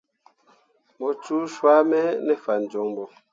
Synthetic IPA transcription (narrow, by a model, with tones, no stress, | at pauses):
mɔ˨t͡ʃu˦ʃwa˦mɛ˦nɛ˦fa˨n̩˨d͡ʒɔ˨˦ŋmbɔ˨